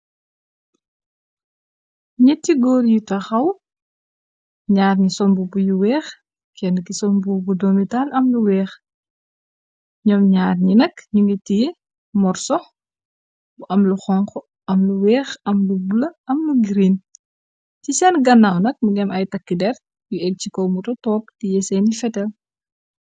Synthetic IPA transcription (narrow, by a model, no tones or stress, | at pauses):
ɲɛtːiɡɔːɾjitɐxɐw | ɲaːrɲisɔmbubujuwɛːx | kʰɛnkisɔmbubudɔmitalʔɐmluwɛːx | ɲɔmɲaːrɲinɐkɲuŋɡitːij | mɔrsɔ | buʔɐmluxɔŋkɔ | ɐmluwɛːxɐmlubulɐʔɐmluɡiɾin | cisɛnɡɐnːawnɐk̚muɡɛmɐjtɐkːidɛr | juɛk̚cikɔwmutɔtɔːp̚tijɛsɛnifɛtɛl